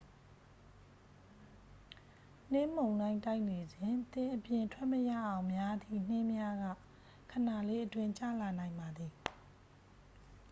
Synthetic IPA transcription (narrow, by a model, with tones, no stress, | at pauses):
n̥ɪ̃˦˨m̥õ˨ʊ̃nã˦ɪ̃nta˦ɪʔne˨d͡ʑɪ̃˨nt̪ɪ̃˨ʔəpjɪ̃˨ntʰwɛ˦ʔməja̰˦˨ʔã˨ʊ̃mja˦d̪ḭ˦˨n̥ɪ̃˦mja˦ɡa̰˦˨ | kʰə˨na˨le˦ʔətwɪ̃˦ɲt͡ɕä̰˦˨la˨nã˨ɪ̃mba˨d̪ði˨